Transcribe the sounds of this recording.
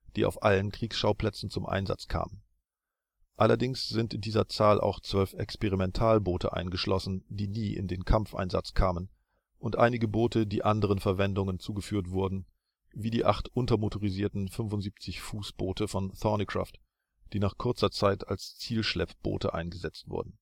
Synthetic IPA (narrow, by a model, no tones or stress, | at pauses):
d̥iːʔa̰ʊfʔalənkʁ̥iːksʃaʊpl̥ɛt͡sn̩t͡sʊmʔa̰ɪnza̰t͡skʰa̰ːmən | ʔalɐdɪŋsz̥ɪntɪndiːzɐt͡saːlʔa̰ʊxt͡sv̥œlfɛkspeʁimɛntʰaːlboːtʰə̰ʔa̰ɪnɡəʃlɔsn̩diːniːʔɪ̰ndeːnkʰamfʔa̰ɪnza̰t͡skʰaːmən | ʔʊntʔa̰ɪnɪɡəboːtʰədiːʔandəʁ̞ənfɛɐvɛndʊŋənt͡suːɡəfyːɐtv̥ʊɐdn̩ | viːdiːʔaχtʔʊntɐmotʰoʁiziːɐtn̩fʏnfʊntz̥iːp̚t͡sɪçfuːsb̥oːtəfɔnθɔnikʁ̥a̰ːft | d̥iːnaːχkʰʊɐt͡sɐt͡saɪtalst͡siːlʃlɛpb̥o̰ːtə̰ʔa̰ɪnɡəzɛt͡stv̥ʊ̰ɐdn̩